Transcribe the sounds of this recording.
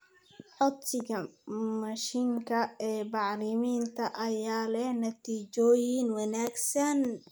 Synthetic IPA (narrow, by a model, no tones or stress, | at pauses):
ħɔt̪ɪɡɐmɐʃiŋkʰɐɛːbɑʕlɪmiːnt̪ʰɐʔɐjaːlɛhnɐt̪ʰiːt͡ʃɔːjinwɐnaːɡsɐn